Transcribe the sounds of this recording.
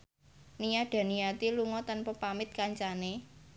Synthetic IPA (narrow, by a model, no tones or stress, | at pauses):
nijaɖ̥a̤nijat̪iluŋɔt̪anpɔpamɪt̪̚kaɲt͡ʃane